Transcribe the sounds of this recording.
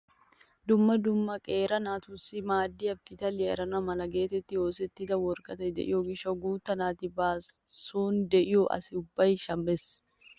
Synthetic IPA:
d̪ʊmːɐd̪ʊmːɐkʼe̞ːɾɐnaːt̪ʊsɪmaːd̪ːiɐfːɪt̪ɐlɪɛ̰ɾɐnɐmɐlɐɡe̞ːt̪ɛt̪ːɪjoːsɛt̪ːɪd̪ɐwɔɾkɐt̪ɐd̪ɛ̰ʔɪ̰jɔɡɪʃɐɡuːt̪ːɐnaːt̪ɪbaːsuːnd̪ɛʔɪɔʔɐ̰sɪʊbːɐjʃɐmːɛs

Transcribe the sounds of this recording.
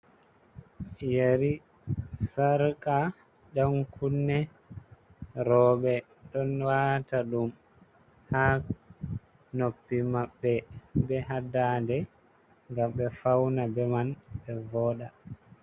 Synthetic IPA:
jeɾi | saɾkʼa | ɗankʰunːɛ | ɾɔːɓɛ | ɗɔnwataɗum | ha | nopːimaɓːɛbɛɦadadɛ | ŋɡamɓɛfawnabɛmanbɛvɔːɗa

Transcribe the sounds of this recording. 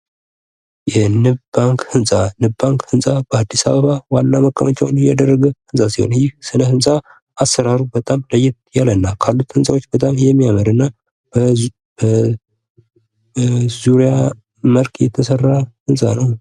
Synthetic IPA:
jɛnɨbaŋkhɨnsʼanɨbbaŋkhɨnsʼabəad̪ːisaβəβawanːaməkʼːəmət͡ʃʼːɛwnjad̪ərːəɡəhɨnsʼasihonjɪhsɨnəhɨnsʼa | ʔasəɾaɾubət̪ʼamləjɪt̪̚jalənːakʰalːut̪hɨnsʼawot͡ʃːbət̪ʼamjɛmːijaməɾɨnːa | bə | bə | zuɾija | məlkʰjɛt̪ʰəsərːahɨnsʼa̰nəw

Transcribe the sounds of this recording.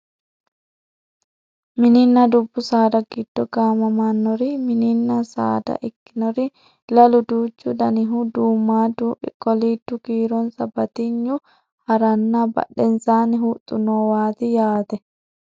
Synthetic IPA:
mininːadubːusaːdaɡid̥ːɔɡaːmamanːɔɾimininːasa̰ːda̰ʔikːinɔɾi | laluduːd͡ʒːudaniɦuduːmːaːdubɛ̰kɔlitːukiːɾɔnsabat̪iɲːu | haɾanːaba̰ɗːɛnsaːniɦut̪ʼːunɔwaːt̪ijaːt̪ɛ

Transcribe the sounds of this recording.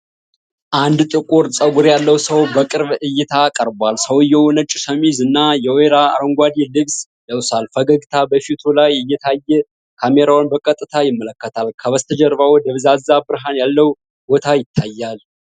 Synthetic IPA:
ʔand̪t̪ʼɨkʼuɾsʼəɡuɾjalːəwsəwbəkʼɨɾβɨjːɪt̪ʰakʼəɾbwalsəwjɛwɔnət͡ʃʼːusəmizɨnːajɛweɾa̰ːɾəŋɡʷad̪ilɨβs | d̪əwsalfəɡəɡt̪ʰabəfit̪ʰulajɨjːɛt̪ʰajːɛ | kʰameɾawnbəkʼət̪ʼɨt̪ʰajɪmːələkːət̪ʰalkʰəβəst̪ʰəd͡ʒɛɾβawɔd̪əβɨzazːabɨɾɦanjalːəw | bot̪ʰajɪt̪ʰːajːal

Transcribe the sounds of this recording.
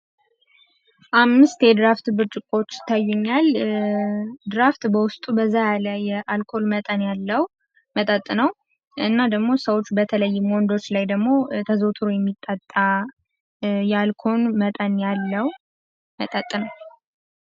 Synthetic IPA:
ʔamːɨst̪jɛd̪ɾaft̪bɨɾt͡ʃʼɪkʼot͡ʃːɪ̥t̪ʰːajːuɲːal | d̪ɨɾaft̪bəwʊst̪ʼubəzːajaləjːɛʔalkʰo̞lmət̪ʼənjalːəw | mət̪ʼət̪ʼːnəw | ɨnːad̪əɡmo̞səwot͡ʃːbət̪ʰələjːɪmwɔnd̪o̞t͡ʃːlajd̪əɡmo̞t̪ʰəzot̪ʰɨɾujɛmːit̪ʼːət̪ʼːa | jɛalkʰo̞nmət̪ʼənjalːəw | mət̪ʼət̪ʼːnəw

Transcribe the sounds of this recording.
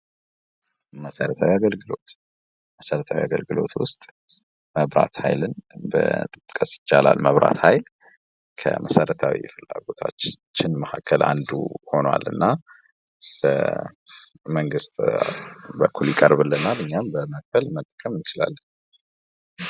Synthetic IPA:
məsəɾət̪ʰawiaɡəlɡɨlo̞t̪ | məsəɾət̪ʰawiaɡəlɡɨlo̞̰t̪wʊst̪ʼ | məβɾa̰t̪hajlɨnbət̪ʼɨt̪ʼkʼːəsjɪt͡ʃːalalməβɾʔat̪hajl | kʰə̰məsəɾət̪ʰawḭfɨlːaɡo̞t̪ʰat͡ʃːt͡ʃːɪnməhakʰːəlʔa̰nd̪ṵho̞noa̰lɨnːa | b̥ə̰ | məŋɡɨst̪ʼ | bəkʰːuljɪkʼəɾbɨlːənalɨɲːambəməkfəlmət̪ʼːkʼəmɪt͡ʃɪla̰lː

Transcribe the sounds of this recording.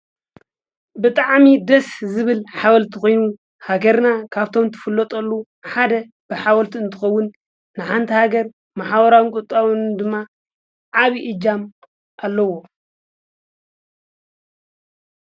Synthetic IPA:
bɨt̪ʼaʕmid̪ɐszɨβɨlħawɐlt̪ʰiko̞jnu | haɡɐɾnakʰaβt̪ʰo̞mt̪ʰɨ̥fɨlːɔt̪ʼɐlːu | ħad̪ɐ | b̥ɨħawɐlt̪ʰiɨnt̪ʰɨxɐwːʊnː | ɨħant̪ʰihaɡɐɾ | maħaβɐɾawɨnkʼut̪ʼawɨnd̪ɨmːa | ʕaβiʔɨd͡ʒam | ʔalːɐwo

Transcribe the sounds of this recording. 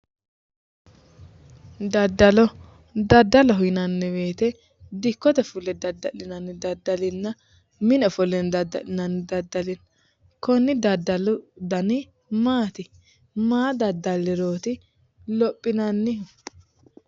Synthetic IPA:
d̪ɐd̪ːɐlɔ | d̪ɐd̪ːɐlɔɦɪnɐnːɛbe̞ːt̪ɛ | d̪ɪkːɔt̪ɛfʊlːɛd̪ɐd̪ːɐlɪnɐnːɪd̪ɐd̪ːɐlɪnːɐ | mɪnɛfɔlɛnd̪ɐdnɐnːɪd̪ɐd̪ːɐlɪn | kɔnːɪd̪ɐd̪ɐld̪ɐnɪ | maːt̪ɪ | maːd̪ɐd̪ːɐlːɪɾoːt̪ɪ | lɔpʼːɪnɐnːɪ

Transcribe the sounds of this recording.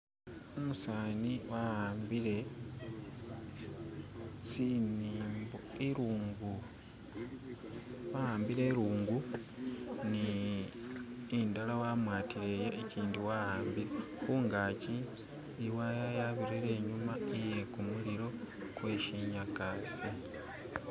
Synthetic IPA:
omusaːniwahaːmbiɾe̞ | siniːmboiɾuːŋɡu | waaːmbiɾe̞ːɾuːŋɡu | ni | ndalawaːmwaːtiɾe̞jeːciːndiwahaːmbiɾe̞ | xuːŋɡaciː | wajajaβiɾiɾe̞ːɲumaije̞kumuliɾo̞ | kwe̞ːʃiɲakasi

